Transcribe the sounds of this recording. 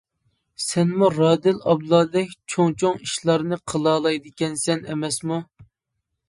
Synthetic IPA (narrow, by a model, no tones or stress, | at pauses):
sɛnmuɾɑːd̪ɪlɑblˠɑːd̪ɛkʲt͡ʃʰoŋt͡ʃʰoŋiʃlˠɑɾnɨqʰəlˠɑːlˠɑjd̪ɪkʲɛnsɛnɛ̰mɛsmu